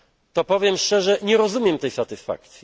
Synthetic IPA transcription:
t̪ɔpɔvʲjɛmʂt͡ʂɛʐɛɲɛɾɔzumʲjɛmt̪ɛjsat̪ɘsfa̰k̚t̪sʲji

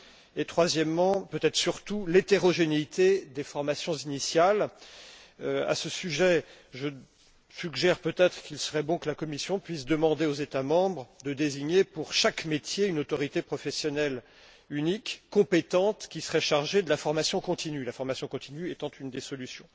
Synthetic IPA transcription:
et̪χwazjɛmːɑ̃pøt̪ɛt̪χə̥syʁt̪ulet̪eʁɔʒeneit̪ʰed̪efɔʁmasjɔ̃zinisjal | a̰səsyʒɛ | ʒə | syɡʒɛʁpøt̪ɛt̪χə̥kilsəʁɛbɔ̃kəlakɔmisjɔ̃pɥisd̪əmɑ̃d̪eozet̪amɑ̃bʁd̪əd̪eziɲepuʁʃakmet̪jeynot̪ɔʁit̪epχɔfɛsjɔnɛl | ynikːɔ̃pet̪ɑ̃t̪kʲisə̥ʁɛʃaʁʒed̪əlafɔʁmasjɔ̃kɔ̃t̪inylafɔʁmasjɔ̃kɔ̃t̪inyɛt̪ɑ̃t̪ynd̪esɔlysjɔ̃

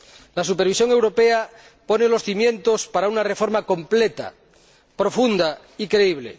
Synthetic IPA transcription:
lasupeɾβisjo̞ŋe̞wɾo̞pea | po̞nelo̞sθimjẽ̞nt̪ospaɾaunarefo̞ɾmako̞mplet̪a̰ | pɾo̞fund̪a | ikɾeiβ̞lḛ

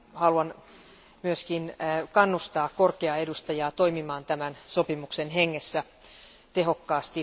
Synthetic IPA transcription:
hɑluɑn | myøskinkɑnːust̪ɑːkkorkeɑedust̪ɑjɑːt̪o̞imimɑːnt̪æmænso̞pimuksenɦeŋːesːæ | t̪eɦo̞kːɑːst̪i

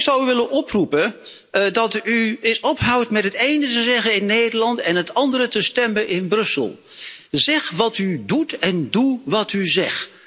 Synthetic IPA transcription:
ksʌwyʋɪlənʔɔprupə | dɑtyɪsɔpɦʌwtmɛtɦətejnətəzɛχənɪnːejdəlɑntɛnɦətɑndəɾətəstɛmənʔɪnbrɵsə̰lˠ | zɛχʋɑtydutɛnduʋɑtyzɛχt

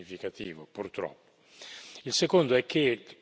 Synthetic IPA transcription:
ifikat̪ḭːvopurt̪ɾɔ̰pːo | ilsekond̪oɛk̟ːe

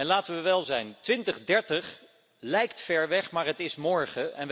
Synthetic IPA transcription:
ɛnlaːtəʋəʋɛlˠzɛjntʋɪntəχdɛɹtəχ | lɛjktfɛɹʋɛχmaːɹɦətɪsmɔɹχəʔɛnʋ

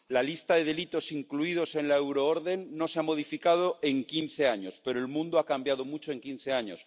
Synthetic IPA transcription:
lalist̪aðe̞ðe̞lit̪o̞siŋkluið̞o̞se̞nlaewɾooɾðe̞nːo̞seamo̞ðifikað̞o̞e̞ŋkinθe̞aɲo̞spe̞ɾoelmũnd̪oakambjað̞o̞mut͡ʃoe̞ŋkinθe̞aɲos

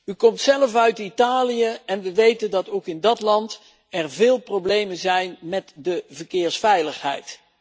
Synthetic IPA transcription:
ykɔmtsɛləfœɥtitaːlijəɛnʋəʋejtəndɑtowkɪndɑtlɑnt | ɛɹvɪːlˠproblejmənzɛjnmɛtdəvəɹkɪːɹsfɛjləχɦɛ̰jt

